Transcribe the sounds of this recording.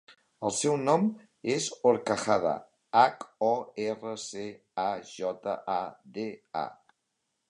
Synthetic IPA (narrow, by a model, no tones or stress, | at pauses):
əlˠsɛwnɔm | ezoɾkaxaða̰ | akɔɛrəse | aʒɔt̪a̰ʔad̪ea̰